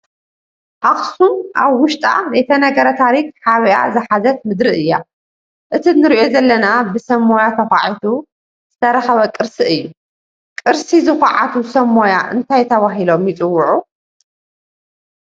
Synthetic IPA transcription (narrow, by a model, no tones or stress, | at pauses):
ʔaxsunʔa̰βwʊʃt̪ʼa̰bet̪ʰɐnɐɡɐɾɐt̪ʰaɾik̚haβiʔa̰zɨħazɐt̪̚mɨd̪ɾɨʔɨjːa̰ | ʔɨt̪ʰinɨɾiʔo̞zɐlːɐnabɨsɐmːojat̪ʰɐxaʕit̪ʰu | z̥ɨt̪ʰɐɾɐxɐβɐkʼɨɾsiʔɨjːu | kʼɨɾsizɨxɐʕa̰t̪ʰusɐmːojaʔɨ̰nt̪ʰajt̪ʰɐβaɦilo̞mjit͡sʼɨwːʊʕu